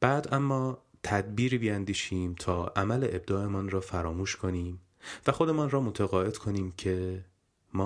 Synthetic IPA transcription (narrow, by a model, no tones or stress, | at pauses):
b̥æːd̪æmːɒːt̪ʰæd̪̚biːɾibijænd̪iːʃiːmt̪ʰɒːʔæmæle̞ʔeb̚d̪ɒːe̞mɒːnrɒːfæɾɒːmuːʃkʰo̞niːm | væxo̞d̪e̞mɒːnrɒːmot̪ʰæɣɒːe̞d̪̥kʰo̞niːmcʰe̞ | mɒː